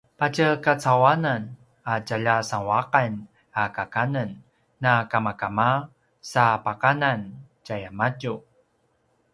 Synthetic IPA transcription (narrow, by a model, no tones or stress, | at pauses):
pacəkat͡sawanan | acaʎasaŋwaqan | akakanənː | akamakama | sapakanan | cajamacu